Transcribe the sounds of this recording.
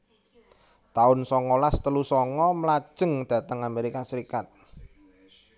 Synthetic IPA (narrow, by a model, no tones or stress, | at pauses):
t̪aʊnsɔŋɔlast̪əlusɔŋɔməlḁʒ̥əŋd̪̥ä̤t̪əŋameɾikasəɾikat̪̚